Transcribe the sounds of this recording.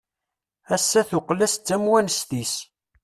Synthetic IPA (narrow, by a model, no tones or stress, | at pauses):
æsːæθʊqlæst͡sːæmwænst̪is